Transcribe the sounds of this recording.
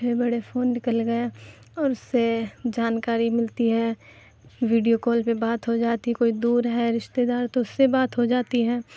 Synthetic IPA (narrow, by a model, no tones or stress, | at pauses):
ebɐɽefʰoːnːɪkəlɡɐe | ɔːɾʊsːed͡ʒaːnkaːɾimɪlt̪iɦɛː | ʋiːɖijokoːlpebaːt̪ɦod͡ʒaːt̪ikoːid̪uːɾɦɛɾɪʃt̪ed̪aːɾt̪oʊsːebaːt̪ɦod͡ʒaːt̪iɦɛː